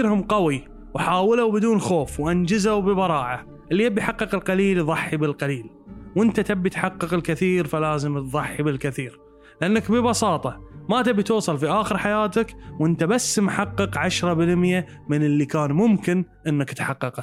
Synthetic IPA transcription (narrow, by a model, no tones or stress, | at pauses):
ɾhʊmqɑwi | wħaːwɪlawbɪd̪uːnxoːfwʔand͡ʒɪzawbəbɑɾˤɑːʕa | ʔɪlːiabiħɑqːɨqɪlqɑliːlðˤɑħːibɪlqɑliːl | wʔɪnt̪at̪abːit̪ħɑqːɑqɪlkɪθiːɾfalaːzəmt̪ðˤɑħːibɪlkɪθiːɾ | lɪʔanːakbɪbɑsɑːt̪ˤɑmat̪abit̪uːsˤɑlfiʔaːxəɾħajaːt̪akwʔɪnt̪abasːmħɑqːɨqʕaʃɾˤɑbɪlmja | mɪnɪlːikaːnmʊmkɪnʔɪnːakt̪ħɑqːɑqa